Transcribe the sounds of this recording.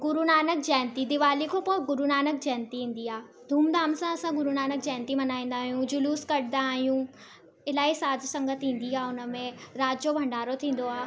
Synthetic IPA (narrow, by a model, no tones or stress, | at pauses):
ɡʊɾunaːnək̚d͡ʑaːnt̪id̪ɪʋaːlikʰopoɡʊɾunaːnək̚d͡ʑɛːnt̪iɦĩːn̆d̪iaː | d̪ʱuːmd̪aːmsãɐsãɡʊɾunaːnək̚d͡ʑaːɪnt̪imɐnaːĩːn̆d̪aːɦijũd͡ʑʊluːskɐɽɪ̃d̪d̪aːɦijũ | ɪlaːisaːd͡ʒʱsɐ̃ŋɡət̪ɦĩːn̆d̪iaːʊnə̆mẽɾaːd͡ʑd͡ʑobʱɐ̃ɳɖaːɾot̪ʰĩːn̆d̪oaːɦ